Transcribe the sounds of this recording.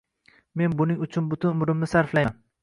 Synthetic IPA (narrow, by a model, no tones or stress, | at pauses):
me̞nbʊnɪŋʊt͡ʃʰʊnbʊt̪ʰʊnʊmɾɪmnɪsaɾflajn